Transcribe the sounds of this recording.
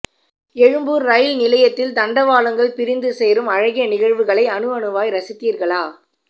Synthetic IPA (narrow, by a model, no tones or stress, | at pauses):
ɛɻɯmbuːɾːɐjɪlnɪlɐjɐt̪ːɪld̪ɐɳɖɐʋaːlɐŋɡɐɭpɪɾɪnd̪ɯsɛjɾɯmɐɻɐɣɪjɐnɪɣɐɻʋɯɣɐɭɐɪɐnɯɐnɯʋaːjɾɐsɪt̪ːiːɾɣɐɭaː